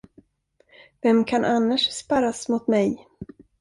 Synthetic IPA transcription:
vɛmkʰanʔanːaʂspaɾasmʊt̪mɛj

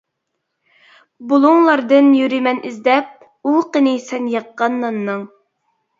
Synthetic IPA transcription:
bulˠuŋlˠɑɾd̪ɨnjyɾimɛnizd̪ɛp̚ | uqənɪsɛnjɑqːɑnːɑnːɨŋ

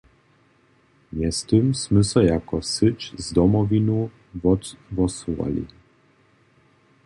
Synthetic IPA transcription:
mjɛst̪ɨmsmɘsɛjakɔsɘt͡ʃzd̪ɔmɔvinu | vɔt̪vɔsuva̰lḭ

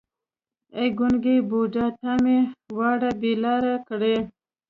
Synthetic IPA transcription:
eɡʊnɡebod͡ʒɑt̪amewɑɽabelɑːɾakɽe

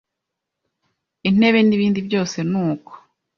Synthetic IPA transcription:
in̥e̞βe̞niβiːndibjo̞ːse̞nuːko̥

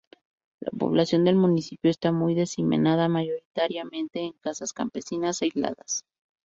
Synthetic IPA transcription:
la̰po̞̰βlasjo̞nd̪e̞lmunisipjo̞est̪amujðe̞simḛnaðamaʝo̞ɾit̪aɾjamẽ̞nt̪e̞ːŋkasaskampe̞sinasajzla̰ðas

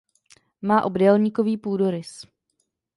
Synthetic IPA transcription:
maːʔo̞bdɛlɲikoviːpuːdoɾɪs

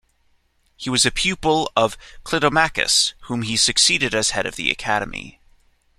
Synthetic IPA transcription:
hiwʌzɨpʰj̥ʉpl̩ˠʌv̥kʰl̥ɪɾomækɨ̰shũmisɨksiɾɨɾɨz̥hɛɾʌ̰vðḭɨ̰kʰæɾɨmḭ

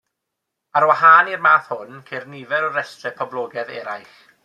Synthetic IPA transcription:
aɾwahaːnirmaːθhʊnkʰernivɛɾɔɾɛstɛpʰɔblˠɔːɡɛðɛɾajχ

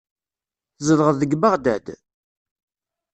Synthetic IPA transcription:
zˤəðʁəðəɡbaʁd̪æd̪

